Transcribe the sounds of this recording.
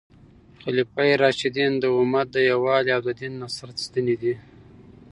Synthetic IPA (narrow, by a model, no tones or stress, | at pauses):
xalipajɾɑʃid̪ind̪əʊmat̪̚d̪əjawɑliawd̪ad̪inːasaɾt̪st̪ənid̪i